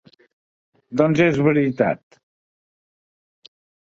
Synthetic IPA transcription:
d̪ɔnzezβəɾit̪a̰t̪

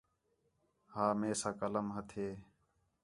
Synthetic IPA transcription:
haːmeːsaːkələmɦət̪ʰeː

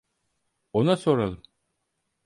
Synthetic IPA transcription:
onaso̞ɾalˠɯm

